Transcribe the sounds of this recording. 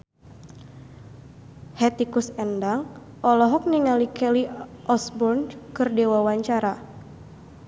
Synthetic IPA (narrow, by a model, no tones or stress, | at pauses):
hɛt̪ikusɛndaŋ | ʔɔlɔɦɔk̚niŋalikɛliʔɔsbɔrnkɨrdewawaɲt͡ʃaɾa